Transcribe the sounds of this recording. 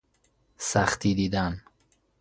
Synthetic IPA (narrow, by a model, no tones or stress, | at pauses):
sæxt̪ʰiːd̪iːd̪æn